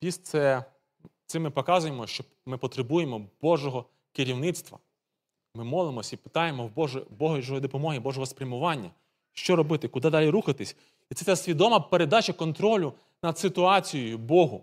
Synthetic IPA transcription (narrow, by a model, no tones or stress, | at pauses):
pʲist̪sɛ | t̪sɪmɪpɔkɑzʊjemɔʃt͡ʃɔ | mɪpɔt̪ɾebujemɔb̥ɔʒɔɦɔ | kɪɾʲiwnɪt̪st̪ʋɐ̰ | mɪmɔlˠemɔsʲipɪ̥t̪ɑjemɔwbɔʒɛbɔɦɔʒɔjid̪ɔpɔmɔɦʲibɔʒɔɦɔspɾʲɐmʊʋɑnʲːɐ | ʃt͡ʃɔɾɔbɪt̪ɪkʊd̪ɪd̪ɑlʲiɾuxɐt̪ɪsʲ | it̪sɛt̪ɛsʲʋʲid̪ɔmɐpeɾed̪ɑt͡ʃɐkɔnt̪ɾɔlʲʊ | nɐd̪sɪt̪ʊɑt͡sʲijɔjʊbɔɦʊ